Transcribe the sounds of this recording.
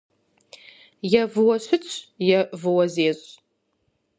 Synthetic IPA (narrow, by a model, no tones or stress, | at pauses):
jɛvɨwɐɕɨt͡sʰʼjɛvɨwɐzeːɕʼ